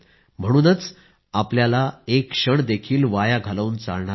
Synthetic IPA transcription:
m̤əɽ̃uːnət͡s | apljalaekʂəɳd̪ekʰiːlʋajaɡʱələwnt͡sa̰lɳaɾ

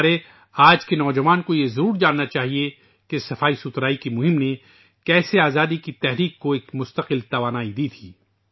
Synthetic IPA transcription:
ɾe | aːd͡ʒkenɔːd͡ʒɐʋaːnkojezɐɾuːɾd͡ʒaːnːat͡ʃaːɦie | kesɐfaːisʊt̪ɾaːikimʊɦɪ̃mne | kɛːseaːzaːd̪ikit̪ɛɦɾiːkːoeːkmʊst̪əqɪlt̪ɐʋaːnaːid̪iːt̪ʰiː

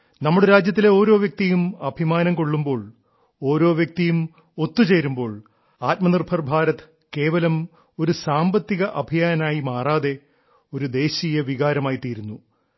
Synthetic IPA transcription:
nɐmːuɽeɾaːd͡ʑjɐt̪ːile̞o̞ːɾo̞ːʋjɐk̚t̪ijumɐbʱimaːnɐmko̞ɭːumbo̞ːɭ | o̞ːɾo̞ːʋjɐk̚t̪ijum | o̞t̪ːut͡ɕe̞ːɾumbo̞ːɭ | aːt̚mɐnirbʱɐrbʱaːɾɐt̪ɨ̥ | ke̞ːʋɐlɐm | o̞ɾusaːmbɐt̪ːiɣɐʔɐbʱijaːnɐnaːjimaːraːðe̞ | o̞ɾud̪e̞ːɕijɐʋiɣaːɾɐmaːjit̪iːɾunːu

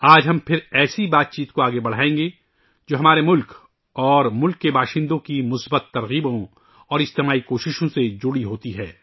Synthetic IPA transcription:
aːd͡ʒɦɐmpʰɪɾɛːsibaːt̪̚t͡ʃiːt̪koaːɡebɐɽ̤aːẽːŋ̆ɡe | d͡ʒoːɦɐmaːɾemʊlk | ɔːɾmʊlkːebaːʃɪ̃nd̪õkimʊsbət̪ːɐɾɣiːbõ | ɔːɾɪst̪eːmaːikoːʃɪʃõsed͡ʒʊɽiɦoːt̪iɦɛː

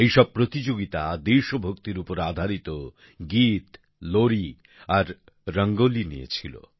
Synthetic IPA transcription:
ejʃɔb̚pɾot̪id͡ʑoɡit̪ad̪iɾʃobʱokt̪iɾupoɾad̪ʱaɾit̪o | ɡit̪ | loɾi | aɾ | ɾəŋɡolinḭjḛt͡ɕʰilo̰

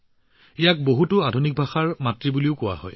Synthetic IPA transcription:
ijak̚boɦutʊadʱunik̚bʱaxaɹmatɹibuliʊkʊwa̰ɦɔ̰j

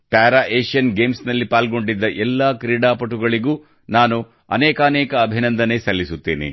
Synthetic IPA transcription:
paːɾaːʔeːʂijɐnɡeːmsnɐlːipaːlɡo̞ɳɖid̪ːɐʔɛlːaːkɾiːɽaːpɐʈuɡɐɭiɡuː | naːnu | ɐ̰nɛːkaːnɛːkɐːbʱinɐnd̪ɐne̞sɐlːisut̪ːeːnḭ

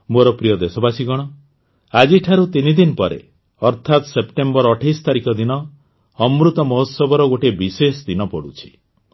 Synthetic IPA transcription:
moɾɔpɾijɔd̪esɔbasiɡɔɽ̃ɔ | ad͡ʒiʈʰaɾut̪inid̪inpɔɾḛ | ɔɾt̪ʰat̪sepʈembɔɾɔʈʰajst̪aɾikɔd̪inɔː | mɾut̪ɔmɔɦosɔbɔɾɔɡoʈebisesd̪inɔpɔɽut͡ʃʰi̥

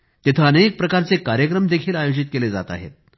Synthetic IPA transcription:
t̪it̪ʰəːnek̚pɾəkaɾt͡sekaɾjəkɾəmd̪ekʰiːlajod͡ʑit̪̚keled͡za̰t̪a̰ɦḛt̪̚

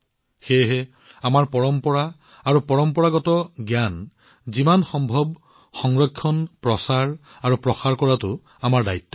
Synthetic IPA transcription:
xeɦɛ | amaɹpɔɹɔmpɔɹaː | ɹupɔɹɔmpɔɹaɡɔtɔɡjan | zimanxɔmbʱɔb | xɔŋɹɔkʰːɔnpɹɔsaɹ | aɹupɹɔxaɹkɔɹatʊ | amaɹdajtːɔ̥

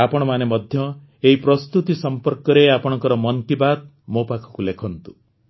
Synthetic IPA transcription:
apɔɽ̃ɔmanemɔd̪ʱjɔ | eɦipɾɔst̪ut̪isɔmpɔɾkɔɾeapɔɽɔ̃ŋkɔɾɔmɔnkibat̪̚ | mopakʰɔ̥kulekʰɔnt̪u

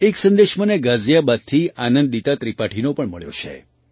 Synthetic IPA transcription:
eksə̃nd̪eʃməneɡazjabad̪t̪ʰianənd̪d̪it̪at̪ɾipaʈʰinopəɳməɭjo̰t͡ʃʰḛ

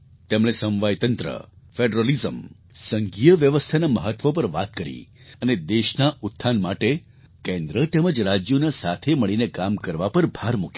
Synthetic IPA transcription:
t̪emɭesə̃mʋajt̪ənt̪ɾə̰ | feɖɾolizəm | səŋɡijəʋjəʋəst̪ʰanaməɦət̪ʋopəɾʋa̰t̪̚kəɾḭ | əned̪eʃnaʔut̪ʰːanmaʈe | kẽnd̪ɾət̪eməd͡ʒɾad͡ʒjonasa̰t̪ʰeməɭinekamkəɾʋapəɾbʱaɾmuk

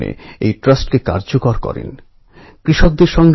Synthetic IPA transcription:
ḛejʈɾasʈkeka̰ɾd͡ʑokoɾkɔ̰ɾḛn | kɾiʃok̚d̪eɾʃɔŋɡ

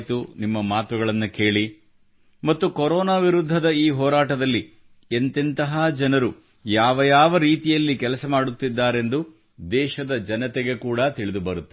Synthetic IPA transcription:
t̪unimːɐmaːt̪uɡɐɭɐnːuke̞ːɭi | mɐt̪ːukɔɾɔːnaːʋiɾud̪ʱːɐd̪ɐiːɦɔːɾaːʈɐd̪ɐlːi | ent̪int̪ɐɦaːd͡ʒɐnɐɾu | jaːʋɐjaːʋɐɾiːt̪ijɐlːikɛlɐsɐmaːɽut̪ːid̪ːaːɾe̞nd̪u | d̪ɛːʃɐd̪ɐd͡ʒɐnɐt̪eɡe̞kuːɽɐt̪iɭid̪ubɐɾut̪ːe

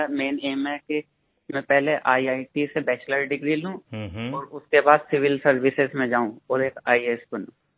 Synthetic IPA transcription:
meːneːmɛke | mɛ̃pɛɦleʔaːiaːiʈisebɛːt͡ʃləɾɖɪɡɾilũɔːɾʊskebaːd̪sɪʋɪlsɐɾʋɪsɪzmẽd͡ʒaːũɔːɾeːkaːieːsbɐnũː

